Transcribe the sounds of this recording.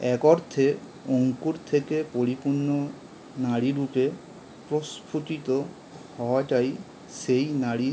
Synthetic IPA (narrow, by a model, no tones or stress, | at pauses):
ɛkɔɾt̪ʰe | oŋkuɾt̪ʰekepoɾipuɾnːɔ | naɽiɾupe | pɾɔspʰutit̪ɔ | hɔetaj | sejnaɽi